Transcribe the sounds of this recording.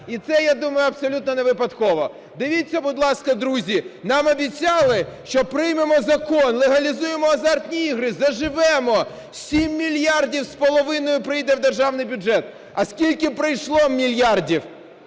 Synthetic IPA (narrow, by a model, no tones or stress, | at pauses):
it̪sɛjad̪umɐjʊɐpsɔlʲut̪nɔneʋɪpɐt̪kɔʋɔ | d̪ɪʋʲitʲt͡sʲːɐbʊd̪lˠɑskɐd̪ɾuzʲinɑmɐbʲit͡sʲɑlˠɪʃt͡ʃɔpɾɪjmemɔzɐkɔnlˠeɦɐlʲizujemɔɐzɑrt̪ʲnʲiiɦɾɪzɐʒɪʋɛmɔ | sʲimːʲilʲjardʲiwspɔlˠɔʋɪnɔjʊpɾɪjd̪ɛwd̪erʒɑwnɪjbʲʊd͡ʒɛt̪ | ɐskʲilʲkɪpɾɪjʃlˠɔmʲilʲjardʲiw